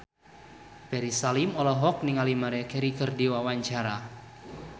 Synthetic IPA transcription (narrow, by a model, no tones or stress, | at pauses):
b̥ɛɾisalimɔlɔɦɔk̚niŋalimaɾɛkɛɾikərdiwawaɲt͡ʃaɾa